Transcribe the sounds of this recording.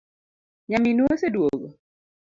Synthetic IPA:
ɲaminwosedwoɡo̰

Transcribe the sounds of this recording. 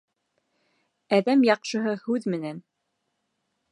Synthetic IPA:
æðæmjɑqʃɤ̆ɦɤhʉðmɘ̆næn

